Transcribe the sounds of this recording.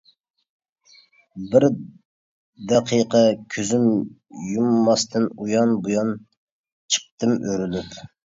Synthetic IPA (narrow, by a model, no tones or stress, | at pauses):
bɪɾ | d̪ɛqʰiqʰɑkʲʰøzym | jumːɑst̪ʰɨnujɑnbujɑn | t͡ʃʰə̥q̚t̪ɨmøɾylyp